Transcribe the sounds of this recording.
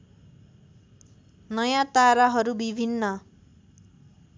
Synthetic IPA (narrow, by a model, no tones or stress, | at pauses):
nʌjãt̪aɾaɦʌɾubibʱinːʌ